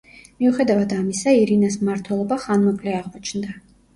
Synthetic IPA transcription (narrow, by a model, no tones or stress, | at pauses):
miuχɛd̪avad̪amisaiɾinasmaɾt̪ʰwɛlˠɔbaχanmɛkʼlɛaʁmɔt͡ʃʰnd̪a